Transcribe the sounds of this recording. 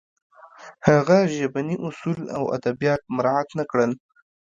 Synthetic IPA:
haɣaʒabaniʔʊsula̰wa̰d̪abijɑt̪̚mɾɑat̪nakɽəl

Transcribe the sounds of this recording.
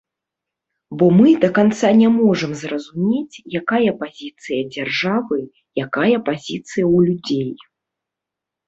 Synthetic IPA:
bɔmɨd̪ɐkant̪sanʲɛmɔʐɐmzrɐzumʲet͡sʲjakajɐpazʲit̪sɨjɐd͡zʲarʐavɨ | jakajɐpazʲit̪sɨjɐwlʲud͡zʲej

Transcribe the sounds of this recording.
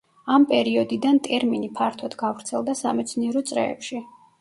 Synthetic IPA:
ampʼɛɾiɔd̪id̪ant̪ʼɛɾminipʰaɾt̪ʰɔd̪ɡavɾt̪sʰɛlˠd̪asa̰mɛt̪sʰniɛɾɔt̪sʼɾɛ̰ːpʃi

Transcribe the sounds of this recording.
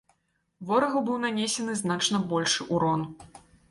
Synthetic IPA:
vɔɾɐɣɐbɨwnanʲesʲɛnɨznat͡ʂnɐbɔlʲʂɨʔuɾɔn

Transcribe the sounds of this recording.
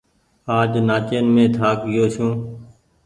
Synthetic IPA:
aːd͡ʒnaːt͡ʃeːnmẽːt̪ʰaːkɡɪjoːt͡ʃũː

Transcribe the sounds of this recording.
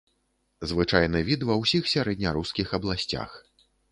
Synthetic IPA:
zvɨt͡ʂajnɨvʲit̪vɐwsʲixsʲaɾɛd̪ʲnʲɐɾuskʲixɐblˠasʲt͡sʲa̰x

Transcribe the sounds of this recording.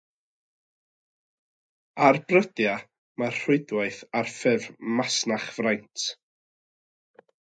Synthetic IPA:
arbrədja | mar̥ʊɨdwaɨθarfɛvmasnaχv̥rajntʰ

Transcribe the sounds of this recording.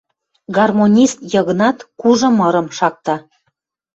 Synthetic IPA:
ɡɑrmonʲist̪jɤɣə̆nɑt̪kuʒɤ̆mɤɾə̆mʃɑk̚t̪ɑ

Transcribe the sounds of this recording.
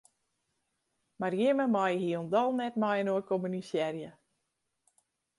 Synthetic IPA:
marjɪməmajhiondɔlˠnɛtmajənoəkʰomynisjɛrjə

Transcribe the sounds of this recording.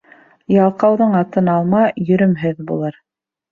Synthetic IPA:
jɑlˠqɑwðɤɴɑt̪ɤnɑlˠmɑjɵ̆ɾɵ̆mɦɘðbṵlˠɤɾ

